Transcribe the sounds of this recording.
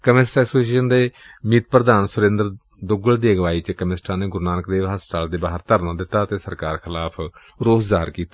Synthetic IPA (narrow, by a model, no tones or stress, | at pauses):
kəmɪsʈːɛsoːsiːʃənd̪eː | miːt̪̚pɾəd̪aːnsʊɾẽnd̪əɾ | d̪ʊɡəld̪eːɡʋaːiːt͡ʃkəmɪsʈaːneːɡʊɾnaːnəkd̪eːʋɦəspət̪aːld̪eːbaːɦəɾt̪əɾnãːd̪ɪt̪ːaːt̪eːsəɾkaːɾkʰɪlaːpʰ | ɾoːszaːəɾkiːt̪ḁː